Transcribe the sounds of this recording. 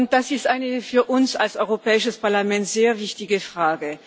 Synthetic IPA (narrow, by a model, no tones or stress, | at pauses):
ʊnt̚d̥asɪstʔaɪnəfyːɐʔʊnsalsɔʏʁopɛːɪʃəspaɐlamɛntz̥eːɐvɪçtɪɡəfʁ̥aːɡə